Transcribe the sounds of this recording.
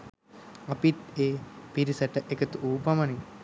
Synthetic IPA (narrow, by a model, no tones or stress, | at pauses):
ɐpit̪eːpiɾisɐʈəʔekət̪uuːpɐmɐni